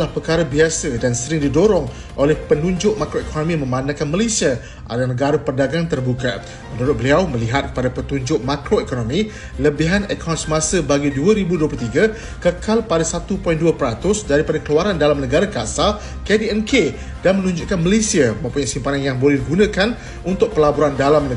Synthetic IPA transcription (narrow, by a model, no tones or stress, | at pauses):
lahpəkaɾabiasədansəɾɪŋdidoɾɔŋ | ʔolɛhpənũɲd͡ʒʊʔ̚makɾoekʰonõmĩmə̃mbanãkanməlesia | ʔa̰danəɡaɾəpərdaɡaŋt̪ərbuka | mənuɾʊt̪̚bəliawməliɦat̪̚kə̥padapət̪uɲd͡ʒʊʔ̚makɾoekonomĩ | ləbiɦanəkʰansəmasəbaɡiduəɾibuduəplut̪iɡa | kəkalpadasat̪upɔjnduapəɾat̪ʊsdaɾipadakəluaɾandalamnəɡaɾakasal | kediɛnke | danmənũɲd͡ʒʊʔkanməlesiaməmpuɲaʔsimpananjaŋbolɛhdiɡunãkan | unt̪ʊk̚pəlabuɾandalamnə